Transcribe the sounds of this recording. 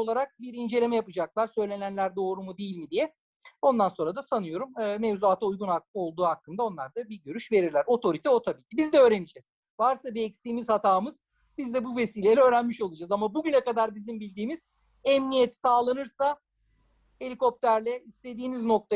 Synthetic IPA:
olˠaɾak̚biɾind͡ʒe̞lʲe̞mɛjapɯd͡ʒaklˠaɾsø̞jlʲe̞nænlʲæɾd̪o̞ːɾumud̪ejilʲmid̪ijɛ | o̞nd̪anso̞nɾad̪asanɯjo̞ɾumɯːmevzuaːt̪ʰaujɡunao̞lˠd̪uːhakʰːɯmd̪ao̞nlˠaɾd̪abiɟøɾyʃve̞ɾiɾlʲæɾo̞t̪ʰo̞ɾit̪ʰɛo̞t̪ʰabiːcʰibizd̪ɛø̞ːɾenid͡ʒɛz̥ | vaɾsabiɛcsiːmizhat̪ʰaːmɯz̥ | bizd̪ɛbuve̞siːlʲelʲɛø̞ːɾænmiʃo̞lˠud͡ʒazamabuɟynɛkad̪aɾbizimbilʲd̪iːmiz̥ | ɛmnijɛt̪saːlˠanɯɾsa | e̞lʲiko̞p̚t̪ʰæɾlʲɛist̪e̞d̪iːnizno̞k̚t̪ʰa

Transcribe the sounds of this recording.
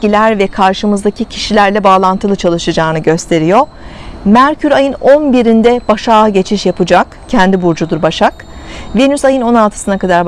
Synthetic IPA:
ilʲæɾvɛkʰaɾʃɯmɯzd̪acicʰi̥ʃilʲæɾlʲɛbaːlˠant̪ʰɯlˠɯt͡ʃʰalˠɯʃɯd͡ʒaːnɯɟø̞st̪ʰe̞ɾijo̞ | mæɾcʰyɾajɯno̞nbiɾind̪ɛbaʃaːɯɟe̞t͡ʃʰiʃjapɯd͡ʒak | cʰɛnd̪ibuɾd͡ʒud̪uɾbaʃak | venysajɯno̞nalˠt̪ʰɯ̥sɯnakad̪aɾ

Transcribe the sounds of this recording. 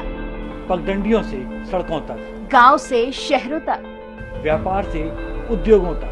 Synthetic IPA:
pəɡɡ̪ə̃ɳɖɪjõːsesɐɽkõːt̪a | ɡaːwseʃɛɦɾõːt̪ak | ʋjaːpaːɾseʊd̪joːɡɦoːt̪aː

